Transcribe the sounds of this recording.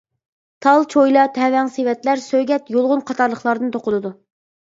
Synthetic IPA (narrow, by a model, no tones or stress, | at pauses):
t̪ʰɑlˠt͡ʃʰojlˠɑt̪ʰɛwɛŋsewɛt̪læɾsøjɡʲɛt̪jolˠʁʊnqʰɑt̪ʰɑɾlˠəχlˠɑɾd̪ɨnt̪ʰoqʊlˠɨd̪u